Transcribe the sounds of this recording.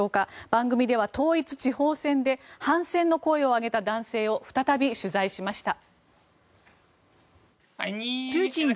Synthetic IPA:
oːkab̥ãŋɡɯ̟mʲid̪e̞βat̪o̞ːit͡sɨ̥t͡ɕiho̞ːsẽ̞nd̪e̞hãɰ̃sẽ̞nːo̞ko̞eo̞aɡe̞t̪ad̪ãɰ̃se̞ːo̞ɸɯ̟̥t̪at̪abʲiɕɨzaiɕimaɕi̥t̪a | t͡ɕĩn

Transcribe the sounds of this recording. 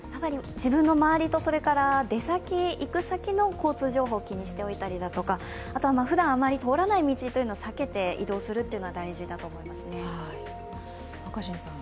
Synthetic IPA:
jamaɾʲid͡ʑibɯ̟̃nːo̞maβaɾʲit̪o̞so̞ɾe̞kaɾad̪e̞sakʲiikɯ̟sakʲino̞ko̞ːt͡sɨːʑo̞ːɦo̞ːkʲiɲ̟iɕi̥t̪e̞o̞it̪aɾʲid̪at̪o̞ka | at̪oamaɸɯ̟d̪ãɰ̃amaɾʲit̪o̞ːɾanaimʲit͡ɕit̪oiɯ̟nosake̞t̪e̞ḭd̪o̞ːsɨɾɯ̟t̪ːeɯ̟noɡad̪aiʑid̪at̪o̞ːmo̞imasɨne̞a | akaɕĩnsã

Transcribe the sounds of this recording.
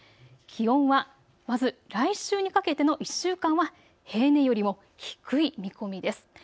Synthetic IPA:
kʲihõ̞ɰ̃βa | mazɨɾaiɕɨːɲ̟ikake̞t̪e̞no̞ʔiɕːɨːkãɰ̃βa | he̞ːne̞jo̞ɾʲimo̞ | çi̥kɯ̟imʲiko̞mʲid̪e̞sɨ̥

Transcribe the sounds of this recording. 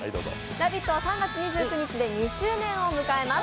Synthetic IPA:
o̰ | ɾabʲit̪ːo̞asãŋɡat͡sɨɲ̟iʑɨːkɯ̟ɲ̟it͡ɕid̪e̞ɲ̟iɕɨːnẽ̞ɰ̃o̞mɯ̟kae̞ma

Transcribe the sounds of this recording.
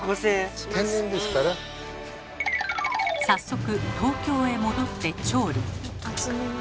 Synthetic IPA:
ɡoseːt̪ẽ̞ɲːĩnd̪e̞sɨ̥kaɾa | sasːo̞kɯ̟t̪o̞ːkʲo̞ːe̞mo̞d̪o̞t̪ːe̞t͡ɕo̞ːɾʲo

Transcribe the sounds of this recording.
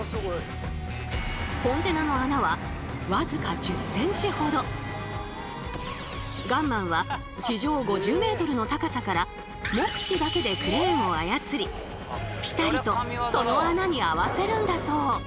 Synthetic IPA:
hõ̞nt̪e̞nano̞anaβa | βazɨkad͡ʑɨsːẽ̞ɲ̟t͡ɕiho̞d̪o̞ | ɡãmːãɰ̃βa | t͡ɕiʑo̞ːɡo̞ʑɨːme̞ːt̪o̞ɾɯ̟no̞t̪akasakaɾa | mokɯ̟̥ɕid̪ake̞d̪e̞kɯ̟ɾe̞ːŋo̞ajat͡sɨɾʲi | pʲi̥t̪aɾʲit̪o̞so̞no̞anaɲ̟iaβase̞ɾɯ̟̃nd̪aso̞ː

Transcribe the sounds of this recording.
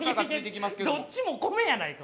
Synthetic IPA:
akaid̪ekʲimasked̪ot͡ɕimokomejanaika

